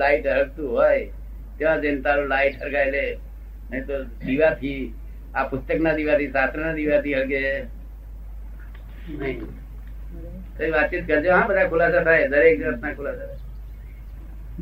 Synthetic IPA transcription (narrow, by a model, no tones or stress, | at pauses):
laːɪʈəɾək̚t̪uɦoːe | t̪eʋãd͡ʒeːnt̪aːɾulaːɪʈəɾɡaːele | nəĩt̪od̪iʋat̪ʰiː | apʊst̪əknad̪iʋat̪ʰisaːt̪ɾənad̪iʋat̪ʰiɦəɽɡe | nəĩ | t̪əĩʋaːd̪t͡ʃit̪kəɾd͡ʒeʋɦãbəd̪akʰʊlaːsat̪ʰaːed̪əɾeːk̚d͡ʒnət̪nakʰʊlaːsat̪ʰ